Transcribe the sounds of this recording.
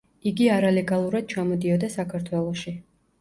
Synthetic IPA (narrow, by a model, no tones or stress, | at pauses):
iɡiaɾalɛɡalˠuɾad̪̥̚t͡ʃʰamɔd̪iɔd̪asakʰaɾt̪ʰwɛlˠɔʃi